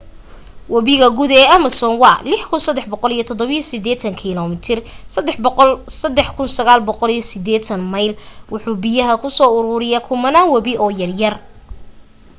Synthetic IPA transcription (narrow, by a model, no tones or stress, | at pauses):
wɐβɪɣɐɡuðɛːɐmɐsɔːnwɑːlɪħkʰʊnsɐd̪ɛħbɔqɔlijɞt̪ʰɔd̪ɔβijɔsɪd̪ɛːt̪ʰɐŋkʰilɔmɪt̪ʰɪrsɐd̪ːɛħbqɔlsɐd̪ɛħkʰʊnsɐɣaːlbɔqɔlijɔsɪd̪ɛːt̪ʰɐnmɐjlwʊħuːbɪjɐɦɐkʰʊsɔːʊɾʊːɾɪjakʰʊmɐnaːnwɐβɪɔːjɐrjɐr